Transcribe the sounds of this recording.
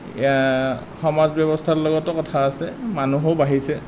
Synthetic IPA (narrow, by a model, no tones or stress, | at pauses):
xɔmazbɔbɔstʰaɹlɔɡɔtɔkɔtʰaːsɛmanuɦobaɦisɛ